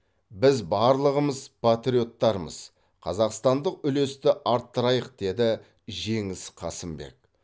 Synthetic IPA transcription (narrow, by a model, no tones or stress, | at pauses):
bɪzbɑɾlˠəʁəməzpʰat̪ɾio̞t̪ːɑɾmə̰z̥ | qʰɑ̰zɑqst̪ɑnd̪əqʏle̞st̪ɪʔɑɾt̪ːəɾɑjəq̚d̪̥e̞d̪ɪ | ʒe̞ŋɪsqʰɑsəmbe̞̰k̚